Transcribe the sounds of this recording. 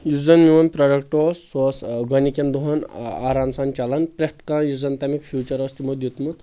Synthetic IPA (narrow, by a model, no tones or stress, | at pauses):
juzɐnmiʋɐnpɾoɖɐkʈossosɡʌnikend̪oɦɐna̰ːɾaːmsɐnt͡ʃalɐnpɾet̪kãjuzɐnt̪ɐmikpʰjut͡ʃɐɾɔst̪imud̪jut̪mut̪